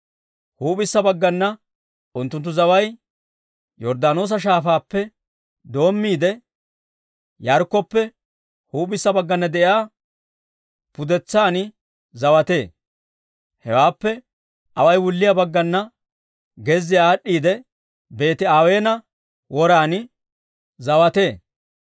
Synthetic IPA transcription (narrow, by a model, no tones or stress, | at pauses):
huːbɪsːɐbɐɡːɐnːɐ | ʔʊnt̪ːʊnt̪̬ːʊzɐwɐj | jɔɾd̪aːno̞ːs̬ɐʃ̬aːfaːpːɛ | d̪o̞ːmːiːd̪ɛ | jɐɾkːɔpːɛ | huːbɪsːɐbɐɡːɐnːɐd̪ɛʔjaː | pʊd̪ɛt͡sːaːnɪ | zɐwɐt̪e̞ː | hɛ̰waːpːɛ | ʔɐwɐjwʊlːɪjabɐɡːɐnːɐ | ɡɛzːɪjaːɗːiːd̪ɛ | be̞ːt̪ɪaːwe̞ːnɐ | wɔɾaːnɪ | zɐwɐt̪e̞ː